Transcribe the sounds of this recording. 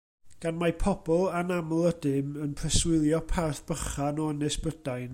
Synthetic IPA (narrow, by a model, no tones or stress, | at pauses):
ɡ̥anmapʰɔb̥ɔlˠanamlˠədɪmənpʰrɛswɪlˠjɔpʰarθb̥əχanɔənɨsb̥ədajn